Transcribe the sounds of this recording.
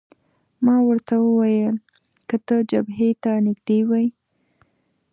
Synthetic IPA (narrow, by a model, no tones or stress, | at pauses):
mɑwəɾt̪awəwajəl | kət̪əd͡ʒabɦet̪anɪɡd̪ewaj